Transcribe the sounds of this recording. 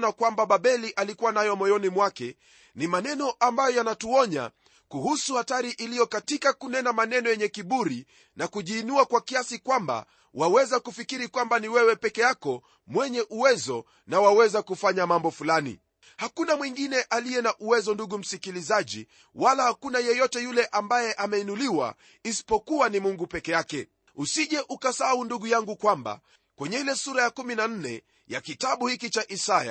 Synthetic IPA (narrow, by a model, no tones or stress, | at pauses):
nakwambaɓaɓɛliʔalikuwanajɔmɔjɔnimwakɛ | nimanɛnɔʔambajɔjanatuɔɲa̰ | kuhusuhataɾiʔilijɔkatikakunɛnamanɛnɔjɛɲɛkiɓuɾi | nakuʄiːnuakwakiasikwamba̰ | wawɛzakufikiɾikwambaniwɛwɛpɛkɛjakɔ | mwɛɲɛʔuwɛzɔ | nawawɛzakufaɲamambɔfulanḭ | hakunamwiŋɡinɛʔalijɛnaʔuwɛzɔnduɠum̩sikilizaʄḭ | walahakunajɛjɔtɛjulɛʔambajɛʔamɛinuliwa̰ | isi̥pɔkuwanimuŋɡupɛkɛjakɛ | usiʄɛʔukasaaunduɠujaŋɡukwamba̰ | kwɛɲɛilɛsuɾajakuminan̩nɛ̰ | ja̰kitaɓuhikit͡ʃaʔisaja̰